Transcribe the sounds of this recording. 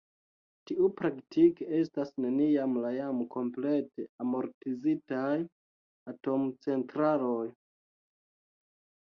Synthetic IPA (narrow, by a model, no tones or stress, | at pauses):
tiupɾaktike̞s̬tasne̞niamlajamkʰo̞mple̞te̞amo̞ɾtizitaj | ato̞mt͡se̞ntɾalo̞j